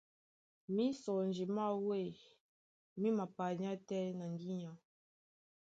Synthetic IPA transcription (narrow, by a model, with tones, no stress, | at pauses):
mi˦sɔ˨n˨d͡ʒi˨ma˦˨we˦˨ | mi˦ma˨pa˨ɲa˦tɛ˦na˨ŋ˦ɡi˦ɲa˨